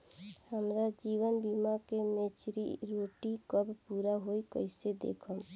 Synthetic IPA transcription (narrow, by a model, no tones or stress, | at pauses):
həmɾad͡ʒiːwənbimakemet͡ʃɾḭɾoːʈikəbpuːɾaɦoikəɪsed̪ḛːkʰə